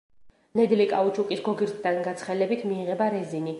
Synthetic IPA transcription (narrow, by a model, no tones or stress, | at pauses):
nɛd̪likʼaut͡ʃʰukʼisɡɔɡiɾt̪ʰd̪anɡat̪sʰχɛlɛbit̪ʰmiːʁɛbaɾɛzini